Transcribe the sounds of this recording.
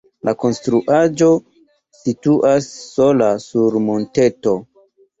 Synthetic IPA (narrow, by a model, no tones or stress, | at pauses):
lʔako̞nstɾuʔad͡ʒo̞ | situʔasːo̞lasuɾmonte̞to̞